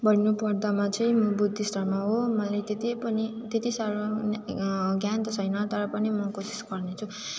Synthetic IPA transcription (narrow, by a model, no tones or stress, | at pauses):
bʱʌɽinupʌɽd̪amat͡sʌĩmʌbud̪ʱːisʈʌrmaɦomʌlajt̪et̪ipʌnit̪et̪isaɾonɡjant̪ʌsʰʌjnʌt̪ʌɾʌpʌnimʌkosi̥sɡʌrnet͡sʰu